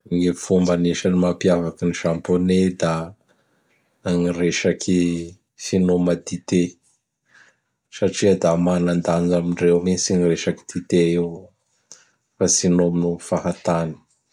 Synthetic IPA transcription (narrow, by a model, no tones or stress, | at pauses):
ŋifumbaneʃanimapiavakiniʃamponed̪a | ŋiɾeʃakʰi | finomad̪it̪e | saʈ͡ʂiəd̪amanand̪anamiɳɖ͡ʐewmit͡sinireʃaki̥d̪̥it̪eew | fasinominufaɦat̪ani̥